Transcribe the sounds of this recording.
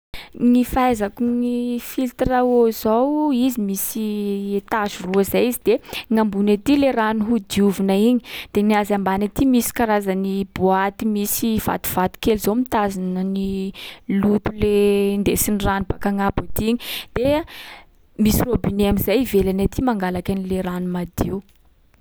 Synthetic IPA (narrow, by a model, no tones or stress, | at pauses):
nifaajzakunifilt̪raoz̥awizimisiet̪azuruazajizid̪̥eŋambunat̪ileranuɦud̪iuvunaiɲi̥d̪̥eniazambanat̪imisi̥kaɾazanibuat̪imisiva̰t̪u̥v̥at̪u̥kelzomit̪azinənilut̪ulend̪esiniranub̥akaŋabat̪iɲid̪̥e | misirobineamizajivelanat̪ʰimaŋɡalakanileɾanumad̪iu